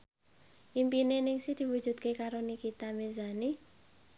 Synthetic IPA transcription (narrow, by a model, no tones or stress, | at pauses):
ʔimpinenɪŋsɪhd̪̥i̤wud̥ʒ̥ṳt̪̚kekaɾonikit̪amezani